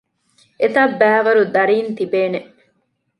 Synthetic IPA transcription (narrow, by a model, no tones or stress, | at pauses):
ʔet̪ɐbæːʋɐɾud̪ɐɾiːnt̪ibeːne